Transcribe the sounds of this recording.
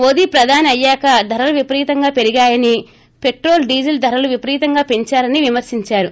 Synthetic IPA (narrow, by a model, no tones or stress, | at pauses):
mo̞ːd̪iːpɾɐd̪ʱaːniɐjːaːkɐd̪ʱɐɾɐluʋipɐɾiːt̪ɐŋɡaːpe̞ɾiɡaːjɐni | pe̞ʈɾo̞ːlɖiːd͡ʒɐld̪ʱɐɾɐluʋipɐɾiːt̪ɐŋɡaːpe̞ɲt͡ʃaːɾɐniʋimɐɾsiɲt͡ʃaːɾu